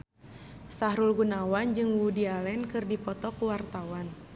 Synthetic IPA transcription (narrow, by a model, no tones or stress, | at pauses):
saɦɾulɡunawand͡ʒɨŋwudialɛnkɨrdipɔt̪ɔkuwart̪awan